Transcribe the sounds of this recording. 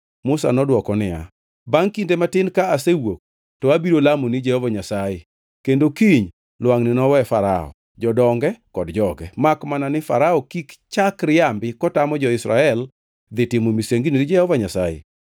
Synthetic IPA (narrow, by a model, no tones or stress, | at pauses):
mʊsa̰nɔdwɔkɔnɪja̰ | baŋkindematɪnkaasewok̚ | tɔabiɾolamonɪd͡ʒɛhɔvaɲasaje | kendokiɲ | lwaŋnɪnɔwɛfaɾa̰ɔ̰ | d͡ʒɔdɔŋɡɛkɔdd͡ʒɔɡɛmakmananɪfa̰ɾaɔkikt͡ʃakɾɪambɪkɔtamɔd͡ʒɔɪsɾaɛl | d̪ɪtɪmomiseŋɡiniɾɪd͡ʒɛhɔvaɲasajḛ